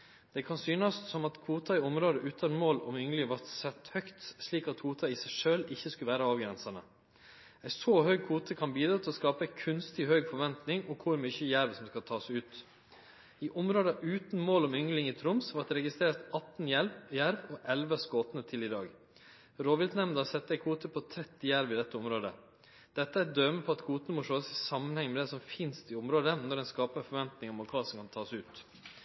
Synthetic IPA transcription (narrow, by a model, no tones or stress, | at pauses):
d̪̥ɛkʰɑnsyːnəssɔmɑt̪kʰuːt̪ɑɪʊmɾoːd̪əʔʉːt̪ʰɑnmoːlɔmʏŋlɪŋʋɑɾt̪sɛt̪ːhœkt̪sliːkɑt̪huːt̪ʰɑisæɪʂøːlɪçːəskʉʋæːɾəɑːʋɡɾɛnsɑnə | æɪsohœʏkʰuːt̪ʰəkʰɑnbiːd̪ɾɑːt̪ʰɪlɔskɑːpəɛɪkʰʉnst̪ɪɔhœʏɡfɔɾʋɛnt̪nɪŋɔkʰʊɾmyçəjæɾʋsɔmskɑlt̪ʰɑːsʉːt̪ | ɪʔʊmɾoːd̪ɑʔʉːt̪n̩moːlɔmʏŋlɪŋiːt̪ʰɾʊmsʋɑd̪ɛɾɛɡɪst̪ɾeːɾt̪ɑt̪n̩jæɾʋjæɾʋɔʔɛlʋəskoːt̪nət̪ʰɪlɪd̪ɑːɡ | ɾoːʋɪlt̪nɛmnd̪ɑsɛt̪ːəɛkʰuːt̪əpʰɔt̪ʰɾɛt̪ːɪjæɾʋɪd̪ɛt̪ːəʊmɾoːd̪ə̰ | d̪̥ɛt̪ːəæd̪øːməpʰɔɑt̪kʰuːt̪ənəmʊʂoːsɪsɑmːənhɛŋːmɛd̪ɛsɔmfɪnst̪ɪʊmɾoːd̪ənɔɖɛnskɑːpəɾfɔɾʋɛnt̪nɪŋɔmɔkʰɑːsɔmkʰɑnt̪ʰɑːsʉːt̪